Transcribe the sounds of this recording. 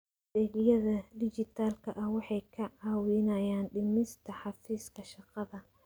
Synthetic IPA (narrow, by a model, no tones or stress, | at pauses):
dɛːɡjɐðɐd̪ɪt͡ʃɪt̪ʰaːlkʰɐʔɐhwɑħɑjkʰɐʕɑːwɪnɐjaːnɖɪmɪst̪ʰɐħɑfiːskʰɐʃɑqɑðɐ